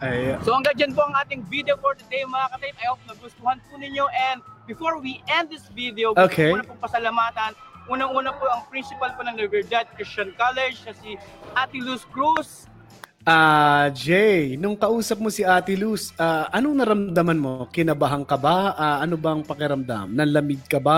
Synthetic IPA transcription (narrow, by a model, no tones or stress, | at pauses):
ʔɐjsohɐŋɡɐŋd͡ʒɐnpoʔɐŋʔaːt̪ɪŋvid̪ɛofoɹd̪ɐd̪ejmɐŋakɐt̪ɐjɪnɐjɐwpnɐɡʊst̪ʊhanpʊnɪɲo̞ʔɛnd̪̚bɪfoɹwiʔɛnd̪̚ːɪsvid̪ɛoʔoːkʰɛnɐpʊŋkɐsɐlɐmaːt̪ɐnʔuːnɐŋʔuːnɐpoʔɐŋpɾinsɪpɐlponɐŋlɐbɛɹd̪ad̪̚kɹɪst͡ʃɐnkalɛd͡ʒɐsiʔaːt̪ɪluskɹus | ʔad͡ʒɛjnʊŋkɐʔuːsɐp̚mosiʔaːt̪ɪlusʔaːʔɐnoŋnɐɾɐmd̪ɐmɐnmo̞kɪnɐbaɦɐŋkɐbaʔaʔɐnobɐŋpɐkɪɾɐmd̪a̰mnɐlɐmɪɡ̪̚kɐba